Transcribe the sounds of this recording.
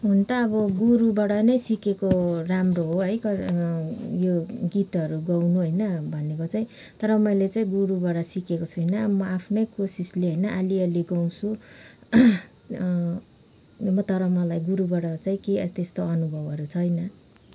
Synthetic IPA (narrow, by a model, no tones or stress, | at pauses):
ɦunt̪ʌːbʌɡuɾubaɽʌnʌjsikekoramroɦoɦʌjkʌ | joɡit̪ʌɾuɡʌwnuɦʌjnʌbʱʌnekot͡saĩ | t̪ʌɾʌmʌjlet͡saĩɡuɾubaɽʌsikekot͡sʰujnʌmʌapʰnʌjkosisleɦʌjnʌʔaliʌliɡʌw̃t͡sʰu | mʌt̪ʌɾʌmʌlajɡuɾubaɽʌt͡saĩkeʌt̪est̪oʌnubʱʌbʌɾut͡sʰʌjnʌ